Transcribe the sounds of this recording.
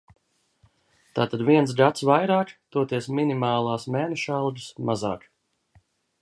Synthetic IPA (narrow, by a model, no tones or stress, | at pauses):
t̪aːt̪ad̪viɛns̬ɡat̪svajɾaːkt̪uɔt̪iɛsminimaːlˠaːsmɛːnɛʃalˠɡɨsmaza̰ːk